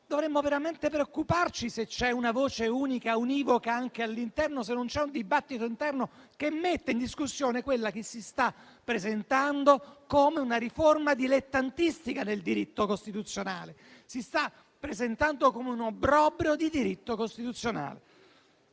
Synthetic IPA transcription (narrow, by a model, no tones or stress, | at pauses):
d̪ovɾemːoveɾament̪epɾeokːupart͡ʃiset͡ʃɛunavoːt͡ʃeuːnikauniːvokaaŋk̟ealːint̪ɛrnosenːont͡ʃɛund̪ibat̪ːit̪oint̪ɛrnokemːet̪ːeind̪iskusːjoːnekwelːak̟esːist̪apːɾezent̪and̪okomeunaɾiformad̪ilet̪ːant̪ist̪ikaneld̪iɾit̪ːokost̪it̪ut̪sːjonaːlesist̪a | pːɾezent̪and̪okomeunobɾɔbɾjod̪id̪iɾit̪ːokost̪it̪ut̪sːjona̰ːle